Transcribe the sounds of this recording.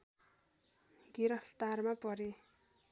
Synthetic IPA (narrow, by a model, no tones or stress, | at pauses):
ɡiɾʌpʰt̪armapʌɾe